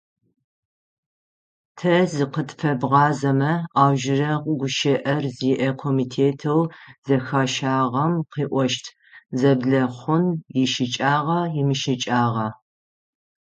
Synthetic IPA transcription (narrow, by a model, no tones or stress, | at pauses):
tʰɐzɨqətʰʼfɐbʁɑːzɐmɐaːwʒɪrɐqɡʷʊʃɐʔɐrziːʔɐkʰoːmiːtʰeːtʰɐwz̥ɐxaːʃaːʁɐmqiːʔʷɔʃtʰ | zɐbɮɐχʷʊnjɪʃɪt͡ʃʼaːʁɐjɪmɨʃɪt͡ʃʼaːʁɐ